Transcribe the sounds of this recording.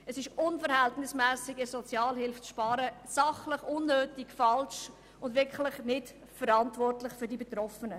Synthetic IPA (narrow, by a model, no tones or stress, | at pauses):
ɛsɪʃʊnfəɾhɛltnɪsmæːsɪɡɪsɔt͡sjɑːlhɪlft͡sʃpɑːɾəsɑχlɪχʊnːøːtɪkfɑlʃ | ʊndvʋɪɾkχlɪχnɪt | fəɾɑntvɔrtlɪχfʏɾdibetɾɔfənə